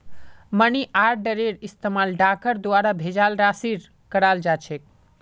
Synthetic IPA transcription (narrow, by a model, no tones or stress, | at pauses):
məniʔaɾɖəɾeɖist̪emalɖakəɾd̪waɾabʱed͡ʒalɾasiɾ | kəɾald͡ʒat͡ʃʰek̚